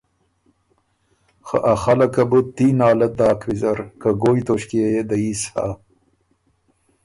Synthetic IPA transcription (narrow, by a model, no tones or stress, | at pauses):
xa̰ʔaxalɐkɐbut̪ːinɑːlɐd̪ɑːkʰwizɐɾkaɡojt̪oʃkiejed̪aisha̰